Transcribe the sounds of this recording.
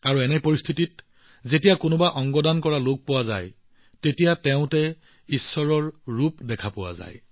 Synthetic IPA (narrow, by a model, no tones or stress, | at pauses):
aɹuɛnɛpoɹist̪ʰitit̚ | zetijakʊnobaʔɔŋɡɔdankɔɹalok̚pʊwaza̰j | tetijatɛʊ̃tɛ | isːɔɹɔɹːupdɛkʰapʊwa̰za̰j